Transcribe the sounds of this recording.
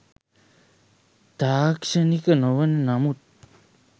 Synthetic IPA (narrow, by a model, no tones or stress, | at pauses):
t̪aːkʃenikənoʋənənamut̪̚